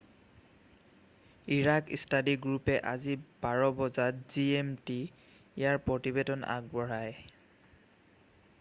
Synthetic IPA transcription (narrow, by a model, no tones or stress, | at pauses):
iɹakḭstʰadiɡɹupɛʔazibaɹɔbɔzatziemti | ijaɹpɹɔtibedɔnʔa̰ɡ̚bɔɹaj